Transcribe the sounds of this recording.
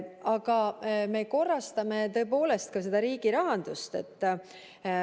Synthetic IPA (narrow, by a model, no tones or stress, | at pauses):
ɑɡ̥ɑme̞ko̞rːɑst̪ɑme̞t̪ɤ̞ep̬o̞ːle̞st̪̚kɑse̞d̪̥ɑɾiːɡ̥iɾɑɦɑnd̪̥ust̪e̞̰t̪ː